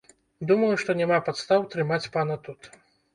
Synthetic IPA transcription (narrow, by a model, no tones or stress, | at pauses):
d̪umɐjuʂt̪ɔnʲamapat̪st̪awt̪ɾɨmat͡sʲpanɐt̪ut̪